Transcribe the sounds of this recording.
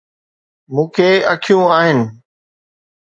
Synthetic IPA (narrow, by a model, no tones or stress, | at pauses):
mũːkʰeɐkʰijũaːɦɪnɪ̆